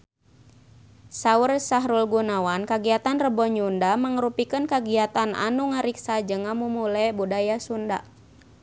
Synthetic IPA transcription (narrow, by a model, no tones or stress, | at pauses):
saursaɦɾulɡunawankaɡiat̪anrəbɔɲundaməŋɾupikənkaɡiat̪ana̰nuŋaɾiksad͡ʒəŋamumulɛbudajasunda̰